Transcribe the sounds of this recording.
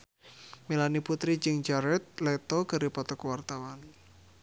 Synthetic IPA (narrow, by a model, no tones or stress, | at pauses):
milaniput̪ɾid͡ʒɨŋd͡ʒaɾɛt̪̚lɛt̪ɔɡəɾipɔt̪ɔkwart̪awan